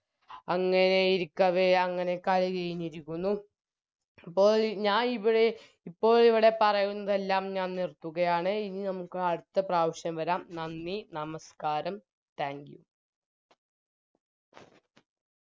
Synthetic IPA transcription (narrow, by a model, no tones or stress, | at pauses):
ɐŋːɐne̞iɾikʲːɐʋeɐŋːɐne̞kɐliɣɐjiniɾikʲːunːu | pːo̞ːɭɲaːniʋiɽe | ipːo̞ːɭiʋiɽe̞pɐrɐjunːɐðe̞lːaːmɲaːnnirt̪ːuɣɐjaːɳɨininɐmukːɨɐɽut̪ːɐpraːʋɐɕjɐmʋɐɾaːmnɐnːinɐmɐskaːɾɐm | t̪aːŋɡjṵ